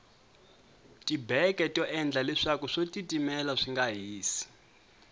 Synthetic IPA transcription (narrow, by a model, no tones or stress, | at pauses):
tibɛkɛtʼɔʔɛnd͡ɮalɛʂakuʂotitʼimɛlaʂiŋɡaɦiːsi̥